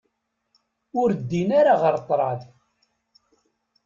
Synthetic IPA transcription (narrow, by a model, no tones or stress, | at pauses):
ʊɾd̪ːinaɾaʁəɾˤt̪ˤːɾˤɑð